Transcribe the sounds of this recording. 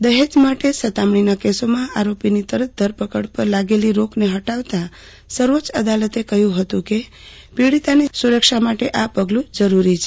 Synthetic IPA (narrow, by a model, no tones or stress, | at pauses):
d̪əɦed͡ʒmaʈesət̪amɳ̃inakesomãʔaɾopinit̪əɾət̪̚ʰd̪ʱəɾpəkəɽpəɾlaɡeliɾokneɦəʈaʋt̪a | səɾʋot͡ʃəd̪alət̪ekəɦjũɦət̪ũke | piɽit̪anisuɾəkʃamaʈeʔapəɡlũd͡ʒəɾuɾit͡ʃʰe